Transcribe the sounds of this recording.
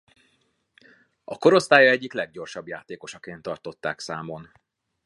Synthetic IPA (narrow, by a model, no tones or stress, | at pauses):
ɒko̞ɾo̞st̪aːjɒɛɟːiklɛɡ̚ɟo̞rʃɒbjaːt̪eːko̞ʃɒkeːnt̪ːɒrt̪o̞t̪ːa̰ːksaːmo̞n